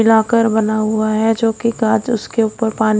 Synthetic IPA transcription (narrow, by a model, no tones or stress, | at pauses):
ɪlaːkəɾbɐnaɦʊaɦɛd͡ʒoːkiɡaːd͡ʒʊskeuːpəɾpaːn